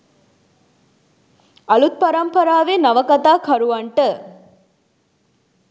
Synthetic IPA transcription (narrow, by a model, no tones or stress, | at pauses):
ɐlut̪̚pɐɾɐmpɐɾaːʋenɐʋɐkɐt̪aːkʰɐɾuʋɐɳʈə